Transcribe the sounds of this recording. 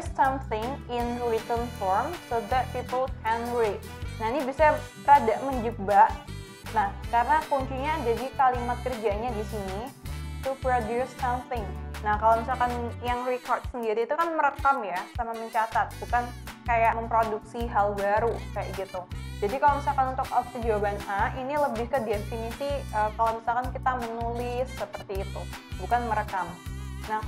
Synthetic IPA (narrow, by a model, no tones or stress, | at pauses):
ssamθɪŋɪnrit̪ənfɔɾmsoðɛt̪̚pipəlkɛnwet̪̚nahinibisa | ɾadaʔməɲd͡ʒəbaʔ | nahkaɾənapuɲt͡ʃuɲad͡ʒadikalimat̪̚kərd͡ʒaɲadisinit̪upɾodusːamθɪŋnahkalomisalkanjaŋrikɔrt̪̚səndiɾiːt̪ukanməɾəkamjasamaməɲt͡ʃat̪at̪̚bukankajaʔməmpɾoduksiɦalbaɾukaja̰ʔɡit̪ud͡ʒadikalowmisalkanunt̪ʊkɔfəd͡ʒawabanainiləbɪhkədiɛnfinisiəːkalomisalkankit̪amənulɪsːəpərt̪iːt̪ubukanməɾəkamnah